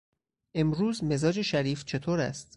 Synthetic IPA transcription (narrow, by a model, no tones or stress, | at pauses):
ʔe̞mɾuːzme̞zɒːd͡ʒe̞ʃæɾiːft͡ʃʰe̞t̪ʰoːɾæ̰st̪